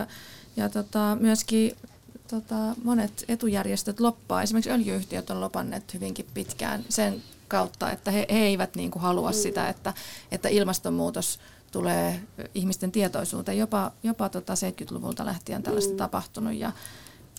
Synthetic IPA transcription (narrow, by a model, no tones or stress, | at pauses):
jɑt̪ot̪ɑmyøskiː | t̪ot̪ɑmonet̪et̪ujærjest̪øt̪lopːɑ̰ːesimerksøljiyht̪iøt̪ːolopɑnːḛːt̪hyʋiŋkippit̪kæ̰ːnsen | kɑut̪ːɑ̰ḛt̪ːæheheeiʋæt̪niːŋkuhɑluɑssit̪æ̰et̪ːæet̪ːæʔilmɑst̪ommuːt̪os | t̪uleːihmist̪ent̪iet̪oisṵːt̪ejopɑjopɑt̪ot̪ɑseit̪̚kyt̪lṵʋṵlt̪ɑ̰lʔæ̰ht̪iæ̰nt̪æ̰lːæst̪æt̪ɑpɑht̪unṵjjɑ̰